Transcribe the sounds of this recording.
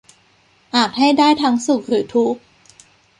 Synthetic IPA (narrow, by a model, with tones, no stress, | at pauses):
ʔaː˨˩t̪̚ha˥˩jdaː˥˩jt̪ʰa˧˦˥ŋsu˨˩k̚ɾɯː˩˦t̪ʰu˦˥k̚